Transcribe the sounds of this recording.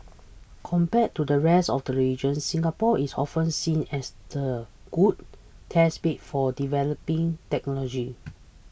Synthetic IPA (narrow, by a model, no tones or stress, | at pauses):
kʰɔ̃mpɛttːudəɹɛstɔfdəɹid͡ʒə̃nsĩŋapɔʔisɔ̰fə̃nsĩnɛsd̥əɡ̥ud̚tʰɛsbet̚fɔdivɛləpĩŋtɛk̚nɔlɔd͡ʒi